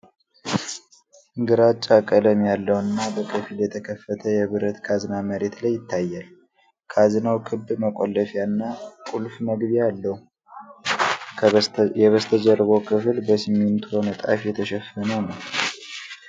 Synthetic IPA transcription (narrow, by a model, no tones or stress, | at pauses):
ɨŋɡɨɾat͡ʃʼːakʼələmjalːəwɨnːabəkʰɨfiljɛt̪ʰəkʰəfːət̪ʰəjɛβɨɾət̪kʰazɨnaməɾe̞t̪lajːɪt̪ʰːajːal | kʰazɨnawkʰɨbməkʷʼolːəfjanːakʼulfməɡbialːəhu | jɛβəst̪ʰəd͡ʒərβəwkʰɨflbəsiment̪ʰuonɨt̪ʼa̰fjɛt̪ʰəʃɛfːənəwnəw